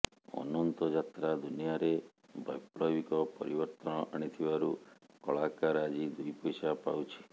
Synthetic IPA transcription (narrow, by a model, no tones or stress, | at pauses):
ɔ̰nɔnt̪ɔd͡ʒat̪ɾad̪unijaɾe | bʱɔ̰jpɭɔbikɔpɔɾibɔɾt̪ɔñɔʔaɽ̃it̪ʰibaɾu | kɔɭakaɾad͡ʒid̪ujpɔjsapa̰wt͡ʃʰi̥